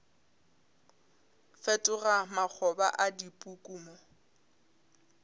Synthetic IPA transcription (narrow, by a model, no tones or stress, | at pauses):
fɛtʼʊramak͡xʰɔba̰ʔadipʼukʼuːmɔ